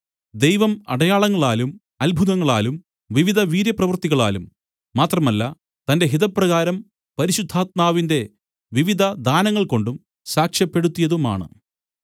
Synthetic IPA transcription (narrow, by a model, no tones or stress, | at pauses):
d̪e̞jʋɐmɐ̰ɽɐjaːɭɐŋːɐɭaːlum | ɐlbʱuðɐŋːɐɭaːlum | ʋiʋid̪ʱɐʋiːɾjɐprɐʋrt̪iɣɐɭa̰ːlumː | aːt̪rɐmɐlːɐ | t̪ɐnde̞ɦiðɐpːrɐɣaːɾɐm | pɐɾiɕud̪ʱːaːt̪̚maːʋinde̞ | ʋiʋid̪ʱɐd̪aːnɐŋːɐɭko̞ɳɖum | saːkʂjɐpːe̞ɽut̪ːijɐðuma̰ːɳɨ̰